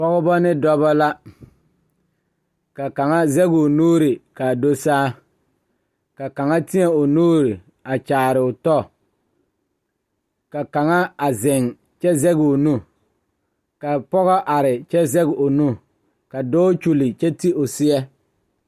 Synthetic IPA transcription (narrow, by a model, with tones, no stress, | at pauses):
pɔ˦ɣɔ˦bɔ˦nɪ˦dɔ˦ba˦la˦ | ka˨ka˨ŋa˦zɛ˦ɡʊ˨o˨nuː˦ɾɪ˨ka˨do˦saː˦ | ka˨ka˨ŋa˦tɪ˦ɛ˨ʊ˨nuː˦ɾɪ˨ | a˨t͡ʃaː˨ɾɪ˨ʊ˨tɔ˦ | ka˨ka˨ŋa˦a˨zɪ˨ŋ | t͡ʃɛ˦zɛ˦ɡo˨nu˦ | ka˨pɔ˦ɣɔ˦ʔa˨ɾɪ˨t͡ʃɛ˦zɛ˦ɡɪ˨o˨nu˦ | ka˨dɔː˦t͡ʃu˦lɪ˨t͡ʃɛ˦ti˦ʔʊ˨sɪ˦ɛ˦